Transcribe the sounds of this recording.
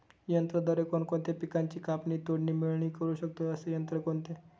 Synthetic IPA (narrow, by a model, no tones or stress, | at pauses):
jənt̪ɾəd̪əɾekoɳkoɳt̪epikaɲt͡ɕiːkapniːt̪oɽɳiːmiɭɳiːkəɾuːɕək̚t̪oəsejənt̪ɾəkoɳt̪e